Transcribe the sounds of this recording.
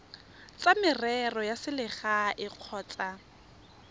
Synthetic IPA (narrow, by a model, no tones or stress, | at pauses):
t͡sʼamɪrɛrɔjasɪlɪχaʔɪq͡χʰɔːt͡sʼa